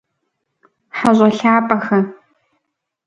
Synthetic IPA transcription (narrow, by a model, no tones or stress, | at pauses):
ħaʑʷʼɐɬaːpʼɐxɐ